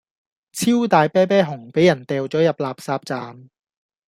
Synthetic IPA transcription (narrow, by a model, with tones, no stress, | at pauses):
t͡sʰiː˥wt̪aː˨jpɛː˥pɛː˥ɦʊ˨˩ŋpe˨˥jɐ˨˩nt̪ɛː˨wt͡sɔː˨˥jɐ˨p̚laː˨p̚saː˧p̚t͡saː˨˧m